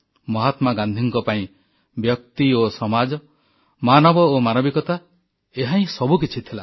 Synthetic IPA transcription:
mɔɦat̪maɡand̪ʱiŋkɔpaĩ | bjɔk̚t̪iosɔmad͡ʒɔ | manɔbɔomanɔbikɔt̪a | eɦaĩsɔbukit͡ʃʰit̪ʰila

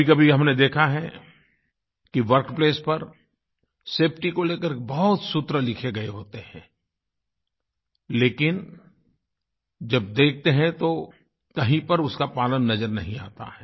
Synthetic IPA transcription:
ikɐbʱiɦɐmned̪eːkʰaɦɛ | kiʋɐɾkpleːspɐɾ | seːpʰʈikoleːkəɾbɐɦt̪sʊt̪ɾəlɪkʰeɡɐeɦoːt̪ehɛ̃ː | leːkɪn | d͡ʒɐb̚d̪eːk̚ʰt̪eɦɛ̃t̪o | kɐɦĩpɐɾʊskapaːlənːɐzəɾnɐɦĩa̰ːt̪a̰ɦɛː

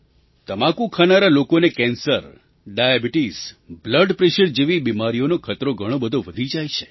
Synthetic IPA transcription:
t̪əmãkũkʰanaɾalokonekɛ̃nsəɾ | ɖajabiʈizbləɖpɾeʃəɾd͡ʒeʋibimaɾijonokʰət̪ɾoɡʱəɽ̃õbəd̪ʱoʋəd̪ʱid͡ʒajt͡ʃʰe̥

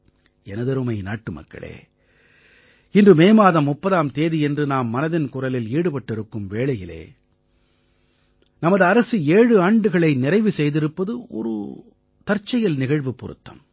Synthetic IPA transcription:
ɛnɐðɐɾɯmɐɪna̰ːʈːɯmɐ̰kːɐ̰ɭḛː | ɪndrɯmeːmaːðɐmʊpːɐðaːmt̪eːðiɛndrɯnaːmːɐnɐðɪnkʊrɐlɪliːɽɯpɐʈːɪɾɯkːɯmʋeːɭɐjɪlḛː | nɐmɐðɯɐɾɐsɯeːɻɯaːɳɖɯɣɐɭɐɪnɪɾɐɪʋɯsɛjðɪɾɯpːɐðɯʔɔ̰ɾɯ̰ | t̪ɐɾt͡ʃːɐjɐlnɪɣɐɻʋɯpːʊ̰ɾɯ̰t̪ːɐ̰m

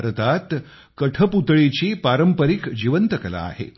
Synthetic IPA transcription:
ɾət̪at̪ | kəʈʰəput̪ɭet͡ɕipaɾəmpəɾikd͡ʑiʋənt̪əkəla̰ːhḛ

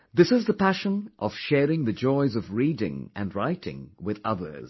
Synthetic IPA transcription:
ðɪsɨzðəpʰæʃə̃nʔʌ̰v̥ʃɛɹɪ̃ŋðɨd͡ʒɔɪzʌvɹiɾɪ̰̃ŋʔɨ̰̃nɹaɪɾɪ̰̃ŋwɪðʌ̰ðə̰˞z̥

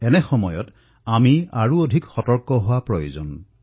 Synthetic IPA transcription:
ɛnɛxɔmɔjɔ̰t | amiaɹuodʱikxɔtɔɹkɔɦʊwapɹɔjo̰zɔn

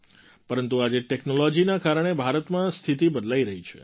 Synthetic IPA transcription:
pəɾənt̪uad͡ʒeʈeknolɔd͡ʒinakaɾəɳ̃ebʱaɾət̪mãst̪ʰit̪ibəd̪laiɾəɦit͡ʃʰḛ

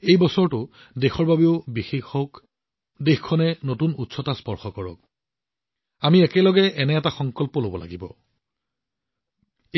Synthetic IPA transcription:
ejbɔsɔɹtʊ | dexɔɹbabeʊbixexɔk | dexkʰɔnɛnotunutsɔtaspɔɹxɔkɔɹɔ̰k̚ | amiɛkɛlɔɡɛʔɛnɛɛtaxɔŋkɔlpɔlobɔla̰ɡibɔ̰

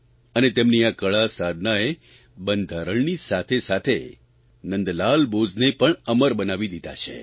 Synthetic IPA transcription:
ənet̪emniakəɭasad̪ʱnae | bənd̪ʱaɾəɳnisat̪ʰesat̪ʰḛ | nə̃nd̪lalbod͡ʒnepəɳəməɾbənaʋid̪id̪a̰t͡ʃʰḛ

